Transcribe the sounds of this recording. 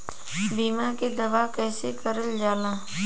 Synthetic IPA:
biːmaked̪ɐʋakɛːsekɐɾəld͡ʒaːnaː

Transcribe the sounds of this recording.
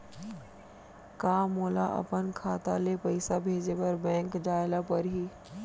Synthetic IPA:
kaːmoːlaʔɐ̰pənkʰaːt̪alepɐɪsabʱeːd͡ʑepɐɾbɛ̃ːŋkd͡ʒaːɪlapɐɾɦiː

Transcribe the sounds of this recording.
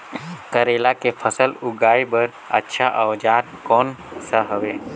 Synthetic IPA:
kəɾeːlakepʰəsəlʊɡaːibəɾ | ə̰tːʃʰaʔəʋd͡ʒaːt̪kɔːnsəɦəʋeː

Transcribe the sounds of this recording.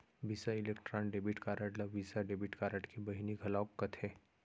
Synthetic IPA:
bisaɪleːkʈɾãːnɖeːbiʈkaːɾəʈlɐʋʋiːsaɖeːbɪʈkaːɾəʈkibɐɦiniɡʱɐlaːokːɐt̪ʰɦɛː

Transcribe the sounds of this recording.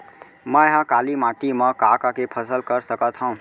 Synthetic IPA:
məeɦə̃kalimãʈiməkakakepʰəsəlkəɾsəkət̪ɦɔ̃ũ

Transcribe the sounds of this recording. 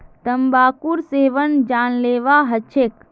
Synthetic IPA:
t̪əmbaːkuɾseʋənd͡ʒaːnleːʋaɦət͡ʃʰek

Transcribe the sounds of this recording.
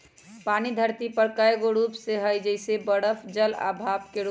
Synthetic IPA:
panid̪ʱəɾt̪ipəɽkajɡoɾupseɦəjd͡ʒəɪsebəɽəpʰd͡ʒəla̰bʱabkeɾ

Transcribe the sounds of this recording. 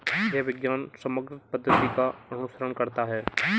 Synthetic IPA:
jɛʋɪɡjaːnsɐməɡɾɪt̪pɐd̪ʱːət̪ikaɐnʊsəɾənkɐɾt̪aɦɛː

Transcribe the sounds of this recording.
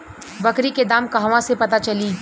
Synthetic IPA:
bɐkɾiked̪aːmkɐɦʋãsepɐt̪at͡ʃɐliː

